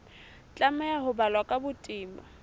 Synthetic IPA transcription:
t͡ɬʼamɛaɦʊbalwakʼabʊtʼiːmba

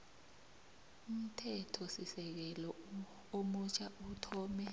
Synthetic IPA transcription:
um̩tʰɛtʰɔsisɛk̬ɛlɔ | omut͡ʃʰaʔutʰɔːmɛ

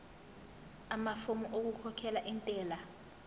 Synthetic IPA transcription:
amafomuʔok̬ukʰɔkʰɛlaʔintʼɛːla

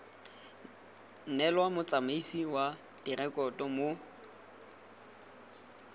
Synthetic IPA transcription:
n̩nɛlwamʊt͡sʼamaisiwa | dirɛkʼɔtʼɔmʊ

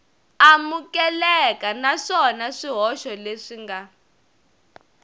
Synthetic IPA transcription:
amukɛlɛkanaʂɔnaʂiɦɔʃɔleʂiŋɡa

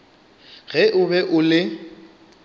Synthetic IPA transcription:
ɣɛʔʊbɛʔʊlɪ

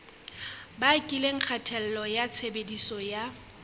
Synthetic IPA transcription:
bakʼileŋ̩k͡xʰatʰɛl̩lɔjat͡sʰebedisɔja

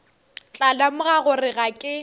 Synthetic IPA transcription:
t͡ɬʼalamʊɣaɣʊrɪɣakʼɪ

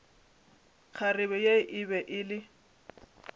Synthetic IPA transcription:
k͡xʰarɪβɛjeɪʔɪbɛʔɪlɪ

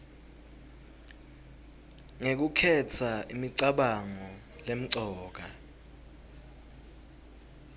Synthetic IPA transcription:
ŋek̬ukʰɛt͡sʰaimiǀaɓaŋɔ | lem̩ǀɔːk̬a

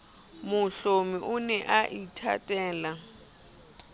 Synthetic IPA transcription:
mʊɬomiʔunɛʔaʔitʰa̰tʼɛːla

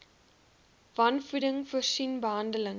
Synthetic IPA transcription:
vɐnfudəŋfuərsinbəɦɐndələŋ

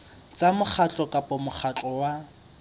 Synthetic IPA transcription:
t͡sʼamʊk͡xʰat͡ɬʼɔkʼapʼɔmʊχʰat͡ɬʼɔwa

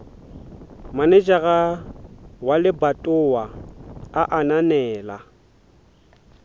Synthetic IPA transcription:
manɪt͡ʃʼaɣa | walɪbatʼʊwaaʔananɛːla̰

